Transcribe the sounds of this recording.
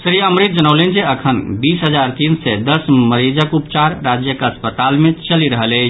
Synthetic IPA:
sɾiəmɾit̪̚d͡ʒənəwlend͡ʒeəkʰənbisɦəd͡ʒaɾt̪insɛd̪əsməɾid͡ʒəkupt͡ʃaɾɾad͡ʒjəkəspət̪almet͡ʃəliɾəɦələt͡ʃʰ

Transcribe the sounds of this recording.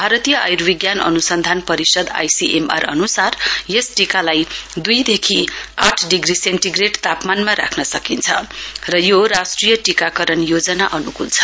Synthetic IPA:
bʱaɾʌt̪ijʌʔa̰jurbiɡjanʌ̰nusʌnd̪ʱanpʌɾisʌd̪a̰jsiʔema̰rʌ̰nusarjesʈikalajd̪ujd̪ekʰiaʈʰɖiɡriseɳʈiɡreʈt̪apmanmaɾa̰kʰnʌsʌkint͡sʰʌrʌjoɾasʈrijʌʈikakʌɾʌnjod͡zʌnaʔʌnukult͡sʰʌ̥

